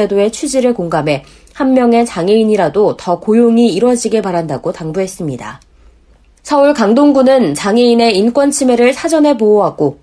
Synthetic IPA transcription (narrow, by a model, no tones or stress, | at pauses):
edoe̞t͡ɕʰud͡ʑiɾɯɭkoŋɡamɦe̞ | hanmːjʌŋe̞t͡ɕaŋe̞iɲiɾadotʌkojoŋiiɾwʌd͡ʑiɡe̞paɾandaɡotaŋbuɦe̞s͈ɯmɲida̰ | sʰʌuɭkaŋdoŋɡunɯnt͡ɕaŋeine̞ink͈wʌnt͡ɕʰime̞ɾɯɭsʰad͡ʑʌnɦe̞pooɦaɡo